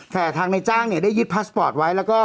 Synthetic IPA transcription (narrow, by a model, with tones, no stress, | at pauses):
t̪ɛː˨˩t̪ʰaː˧ŋna˧jt͡ɕaː˥˩ŋni˥˩ɐ˩daː˥˩ju˦˥t̪̚pʰaː˦˥spɔː˨˩t̪̚wa˦˥jlɛː˦˥wkɔː˥˩